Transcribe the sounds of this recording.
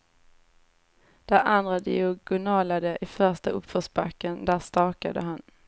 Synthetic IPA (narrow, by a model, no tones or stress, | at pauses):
d̪̥æɾʔand̪ɾad̪ɪ̰ʊɡʊnɑːlad̪əʔɪfœʂtaɵpfœsbakːənd̪æːst̪ɑːka̰d̪ə̰ɦan